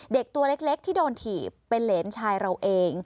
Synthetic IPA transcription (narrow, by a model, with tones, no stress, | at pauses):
de˨˩k̚t̪u˧ɐle˦˥k̚le˦˥k̚t̪ʰiː˥˩doː˧nt̪ʰiː˨˩pːe˧nleː˩˦nt͡ɕʰaː˧jɾa˧wʔeː˧ŋ